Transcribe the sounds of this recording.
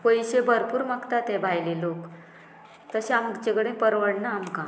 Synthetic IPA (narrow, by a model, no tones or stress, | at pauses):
pojɕebʱəɾpuːɾmakt̪at̪ɛ̃bʱajlelok | t̪əɕẽamd͡ʑeɡɽẽpəɾʋəɽnaːmkã